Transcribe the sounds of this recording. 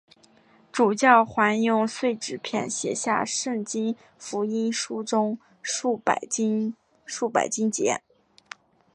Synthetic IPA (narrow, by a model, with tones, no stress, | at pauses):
ʈ͡ʂu˨˩t͡ɕjɑ˥˩ʊxwa˧˥njʊ˥˧ŋswe˥˩ɪʈ͡ʂɻ̩˨˩pʰjɛ̰˥˩nɕjɛ̰˨˩ɕja̰˥˧ʂɤ˥˩ŋt͡ɕi˥n | fu˧˥i˥nʂu˥ʈ͡ʂʊ˥ŋ | ṵ˥˩˨ | ʂu˥˩pa̰˨˩ɪt͡ɕi˥nt͡ɕjɛ̰˧˥